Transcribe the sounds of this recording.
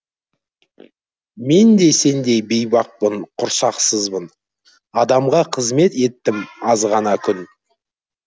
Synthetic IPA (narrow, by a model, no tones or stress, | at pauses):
me̞nd̪e̞se̞nd̪e̞be̞jbɑq̚pəɴqʰʊɾsɑqsəzbən | ɑd̪ɑmʁɑqʰəzme̞t̪e̞t̪ːɪmɑzʁɑnɑkʲʰʏn